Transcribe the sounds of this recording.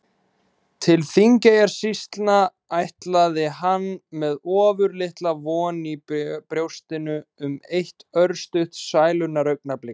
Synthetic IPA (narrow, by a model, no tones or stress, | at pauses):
t̪ʰɪlθiŋcajaɾ̥sist̪lna | ajht̪laðɪɦanːmɛðɔːvʏɾlɪht̪lavɔːnipɾjowst̪ɪnʏʏmejht̪œɾst̪ʏht̪saːjlʏnːaɾœɥk̚naplɪ